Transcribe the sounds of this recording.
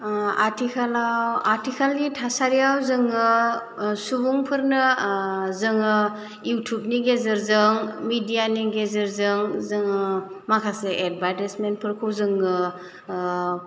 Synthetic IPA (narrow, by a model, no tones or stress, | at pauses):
atʰikʰalawaɾtʰikʰalɡitʰasaɾijawzɯŋɯ | subuŋpʰɯɾnɯ | zɯŋɯ | jutʰup̚niɡezɯɾzɯŋmidijaniɡezɯɾzɯŋzɯŋ | makʰaseʔed̚badesmenpʰɯɾkʰɯwzɯŋɯ